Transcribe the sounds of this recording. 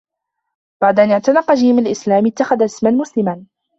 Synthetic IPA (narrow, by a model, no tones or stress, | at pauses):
b̥aʕd̪aʔanjaʕt̪anɑqːɑd͡ʒɪhɪmalʔɪslaːmɪt̪ːaxaðaɪsmanmʊslɪman